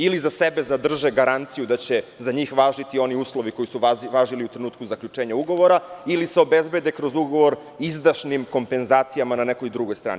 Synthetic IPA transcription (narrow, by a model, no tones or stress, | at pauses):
ilizasebe̞zad̪r̩ʒeɡaɾant̪sijud̪at͡ɕe̞zaɲiːxʋaːʒit̪io̞niuːslˠo̞ʋiko̞jisuʋaːʒiliut̪ɾenuːt̪̚kuzakʎʲut͡ʃeːɲauɡo̞ʋo̞ɾailiseo̞bezbe̞d̪e̞kɾo̞zuɡo̞ʋo̞ɾ | izd̪aʃnimko̞mpe̞nzaːt̪sijamananekojd̪ɾuɡo̞jst̪ɾa̰ːni